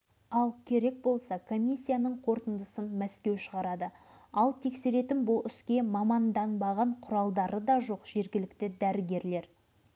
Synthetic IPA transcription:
ɑlˠkʲʰe̞ɾe̞k̚bo̞lˠsɑkʰo̞mʲijsːijanəɴqʰo̞ɾt̪ənd̪əsənmæskʲe̞wʃəʁɑɾɑd̪ə | ɑlˠt̪ʰe̞kse̞ɾe̞t̪ɪnbʊlˠʏskʲe̞mɑmɑnd̪ɑnbɑʁɑɴqʰʊɾɑlˠd̪ɑɾəd̪ɑʒo̞qʒ̥e̞ɾɡʲɪlɪkt̪ɪd̪æɾɪɡʲe̞ɾle̞ɾ

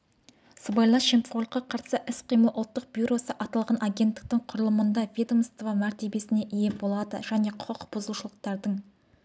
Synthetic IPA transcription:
səbɑjlˠɑʃempʲolˠqːɑqʰɑɾsəʔɪsqʰijməʔʊlˠt̪ːəq̚b̥ʲjuɾo̞səʔɑt̪ɑlˠʁɑnʔaɡʲe̞nt̪ːɪ̥k̚t̪ɪɴqʰʊɾəlˠəmənd̪ɑvʲid̪omst̪əvɑmæɾt̪e̞be̞sɪne̞ʔije̞bo̞lˠɑd̪ə̰ʒ̥æne̞qʰoqb̥ʊzəluʃəlˠəq̚t̪ɑɾd̪əɴ

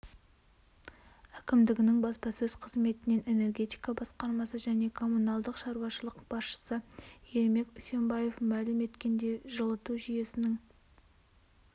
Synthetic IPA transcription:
ækʲɪmd̪ɪɡʲɪnɪŋbɑspɑsɵz̥qʰəzme̞t̪ɪne̞ne̞ne̞rɡʲe̞t̪ijkɑbɑsqɑɾmɑsəʒæne̞kʰo̞munɑlˠd̪əqʃɑɾwɑʃəlˠəqbɑsʃə̥səje̞ɾme̞kʲʊse̞mbɑje̞fmælɪme̞t̪kʲe̞nd̪e̞ʒəlˠət̪uʒyje̞sɪnɪŋ

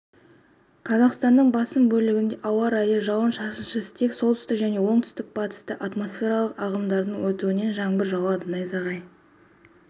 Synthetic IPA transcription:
qʰɑzɑqst̪ɑnːəɴbɑsəmbɵlɪɡʲɪnd̪e̞ʔɑwɑɾɑjəʒɑwənʃɑsənʃəsə̥t̪ʰekso̞lˠt̪ʏ̥st̪ɪkʒæne̞wo̞ɴt̪ʰʏ̥st̪ɪk̚bɑt̪ə̥st̪əʔat̪mo̞sfʲe̞ɾɑlˠəqɑʁəmd̪ɑɾd̪əɴwɵt̪uɪne̞nʒɑɴbɪɾʒɑwɑd̪ənɑjzɑʁɑj

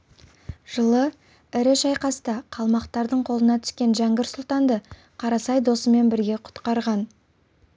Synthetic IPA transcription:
ʒ̥əlˠə | ɪɾɪʃɑjqɑsət̪ɑqʰɑlˠmɑqt̪ɑɾd̪əɴqʰo̞lˠənɑt̪ʰʏ̥skʲe̞nʒæŋɡʲɪɾsʊlˠt̪ɑnd̪ə | qʰɑɾɑsɑjd̪o̞səme̞nbɪɾɡʲe̞qʰʊ̥t̪qɑɾʁɑn

